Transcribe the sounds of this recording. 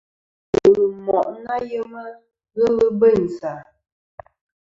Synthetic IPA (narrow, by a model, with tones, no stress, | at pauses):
ə˨mɔ˨ʔna˦jə˦mə˦ | ɣə˦ɣə˦bə˦˨n̩˨sa˨